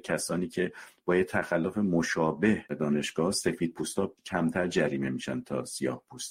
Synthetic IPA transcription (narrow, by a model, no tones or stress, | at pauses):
cʰæsɒːniːcʰe̞b̥ɒːjet̪ʰːæxælːofemoʃɒːbe̞hd̪ɒːne̞ʃɡ̥ɒːhse̞fiːd̪̥̚pʰuːst̪ɒːcʰæmt̪ʰæɾd͡ʒæɾiːme̞miːʃænt̪ʰɒ̰ːsijɒ̰ːhpʰuːst̪